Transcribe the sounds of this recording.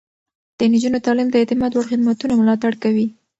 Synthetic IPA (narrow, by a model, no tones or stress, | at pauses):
d̪̥ənid͡ʒunot̪ɑlɪmd̪əet̪ɪmɑd̪waɽxɪd̪mat̪unamʊlɑt̪aɽkawi